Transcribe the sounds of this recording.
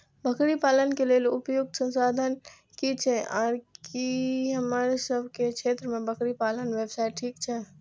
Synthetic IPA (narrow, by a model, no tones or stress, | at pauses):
bʱəkɾipaːlənkeleːlʊpjʊɡ̚t̪sə̃nsaːd̪ʱən | kit͡ʃʰeʔa̰ːɾkiɦəmaɾesəbʱkekt͡ʃʰeːt̪ɾəmẽbəkɾipaːlənʋebsaːɪʈʈʰiːkt͡ʃʰɛ